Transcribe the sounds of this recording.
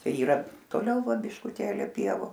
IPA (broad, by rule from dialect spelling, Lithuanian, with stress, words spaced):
ˈt͡ʃʲɛ iːˈrɐ toːˈlʲɛʊ ˈʋɐ bʲɪʃkʊˈtʲeːlʲɪ ˈpʲiɛʋʊ